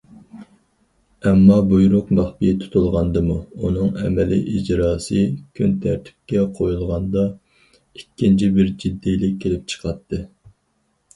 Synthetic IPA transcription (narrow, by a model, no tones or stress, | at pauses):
ɛmːɑbujɾʊqmɑχbit̪ʰu̥t̪ʰulˠʁɑnd̪ɨmuunɨŋɛ̰mɛlḭʔid͡ʒɾɑːsɨkʲʰynt̪ʰæɾt̪ʰɪ̥p̚kʲɛqʰojulˠʁɑnd̪ɑ | ikʲːint͡ʃʰibɪɾd͡ʒid̪ːijlɪk̚ʲʰːelɪp̚t͡ʃʰə̥qʰɑt̪ʰːɨ